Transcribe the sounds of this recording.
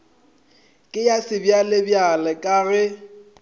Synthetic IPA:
kʼɪjasɪbjalɪbjalɛkʼaɣɛ

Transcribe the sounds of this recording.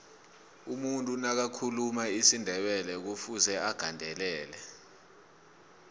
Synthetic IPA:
umuntʼunak̬akʰulumaisindʱɛɓɛlɛk̬ufuzɛaɡ̥ʱandʱɛlɛːlɛ

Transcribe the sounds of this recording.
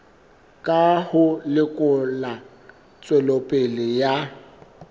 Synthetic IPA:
kʼahʊlɪkʼʊla | t͡sʼwɛlopʼɪlɪja

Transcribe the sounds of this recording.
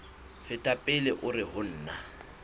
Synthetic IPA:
fɪtʼapʼɪlɪʔʊrɪɦʊn̩ːna

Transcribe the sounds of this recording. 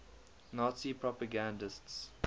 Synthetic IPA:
naːtsipʰɹɔpaɡãndəsts

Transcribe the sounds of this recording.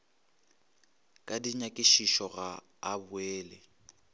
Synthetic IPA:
kʼadiɲakʼɪʃiʃɔɣaː | bʊeːlɛ

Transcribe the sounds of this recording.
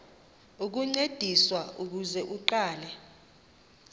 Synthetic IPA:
uk̬uŋ͡ǀed̥ʱiswauk̬uzɛʔuǃaːlɛ

